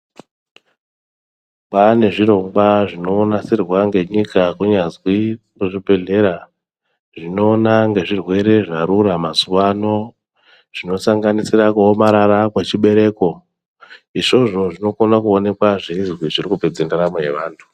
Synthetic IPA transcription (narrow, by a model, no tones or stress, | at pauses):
pane̞ʐiro̞ŋbaʐino̞ːnasirwaŋɡe̞ɲikakuɲazwi | muʐipe̞ɮe̞ɾa | ʐino̞ːnaŋɡe̞ʐirwe̞ɾe̞ʐaɾuramazuʋano̞ | ʐ̥ino̞saŋɡanisirakuomaɾaɾakwet͡ʃiɓe̞ɾe̞ko̞ | iʂo̞ʐo̞ʐino̞konakuone̞kwaʐeizwiʐirikuped͡zendaɾamoje̞ʋaːntʰu̥